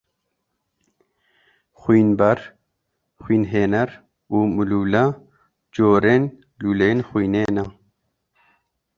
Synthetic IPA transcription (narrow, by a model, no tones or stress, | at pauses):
xwiːnbɐɾ | xwiːnɦeːnɐɾ | uːmuluːlɐ | d͡ʒoːɾeːn | luːlenxʷiːneːnɐ